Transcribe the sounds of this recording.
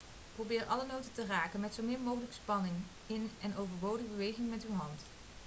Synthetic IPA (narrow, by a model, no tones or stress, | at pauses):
prowbɪːrʔɑlənowtətəraːkənmɛtsowmɪːɹmowχələkə̥spɑnɪŋ | ɪnɛnowvəɹbowdəbəʋejχɪŋmɛtyɦɑnt